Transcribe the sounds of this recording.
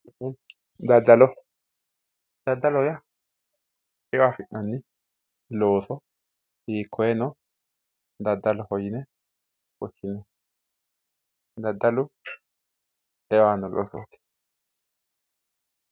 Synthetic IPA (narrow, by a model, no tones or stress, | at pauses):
d̪ɐd̪ːɐlɔ | d̪̥ɐd̪ːɐlɔja | ɛwaːfɪʔːɐnːɪ | loːsɔ | hiːkʰːɔjɛnɔ | d̪ɐd̪ːɐlɔhɔjɪnɛ | wɔkːɪnɛ | d̪ɐd̪ːɐlʊ | ɛwanɔlʔo̰ːsɔ̰t̪ɪ̥